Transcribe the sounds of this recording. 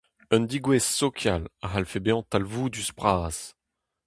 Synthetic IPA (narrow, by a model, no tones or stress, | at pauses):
œnd̪iɡwɛsːɔkʰjalaɦalfebeɑ̃t̪alvud̪yspχaːs